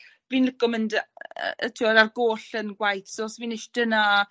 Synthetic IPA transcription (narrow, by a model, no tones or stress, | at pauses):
viːnləɡʊmənd̰ətʰiɔdarɡoːɬənɡwajtʰsoːsviːnɪʃd̥əna